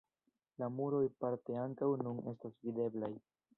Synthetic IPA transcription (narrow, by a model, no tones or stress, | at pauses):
lamuɾo̞jpaɾte̞aŋkawnune̞stasvide̞blaj